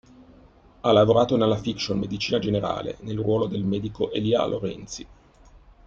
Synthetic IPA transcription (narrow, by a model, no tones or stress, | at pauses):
alːavoɾaːt̪onelːafikʃonmed̪it͡ʃiːnad͡ʒeneɾa̰ːlḛnelrwɔːlod̪elmɛːd̪ikoʔelia̰lʔo̰ɾɛ̰nt̪si